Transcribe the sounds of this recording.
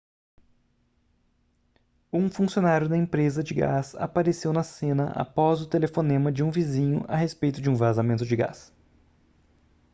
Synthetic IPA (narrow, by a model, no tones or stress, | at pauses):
ũfũsionaɾjʊd̪ɐẽmpɾezɐd͡ʒɪɡa̰sa̰paɾesewnɐsẽnɐ̰ʔa̰pɔzʊt̪elefonẽmɐd͡ʒɪũvizĩɲʊ̰ʔɐ̰ɦespejt̪ʊd͡ʒɪũvazamẽnt̪ʊd͡ʒɪɡa̰s